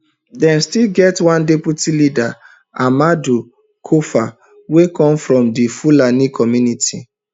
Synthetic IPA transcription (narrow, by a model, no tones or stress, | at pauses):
dɛ̃nstilɡɛtwãndɛputilida | amadu | kʰofa | wekɔ̃mfɹɔ̃mdifulanikʰɔmjunitʰi